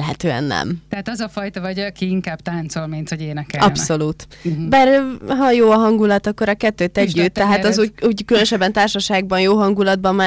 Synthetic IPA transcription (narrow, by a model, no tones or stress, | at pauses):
lɦɛt̪øːɛ̰nːɛ̰mt̪ɛɦaːt̪ɒzɒfɒjt̪ɒvɒɟkiiŋkaːb̥̚t̪aːnt̪so̞lmint̪ho̞ɟeːnɛkɛɒpsso̞luːt̪baːrɦɒjoːɒɦɒŋɡulɒt̪ɒkːoɾɒkɛt̪ːøːt̪ːɛɟːyt̪ːɛɦaːt̪ɒzuuːɟkylønʃɛbːɛnt̪aːrʃɒʃaːɡ̚bɒnjoːɦɒŋɡulɒd̪̚bɒmːaː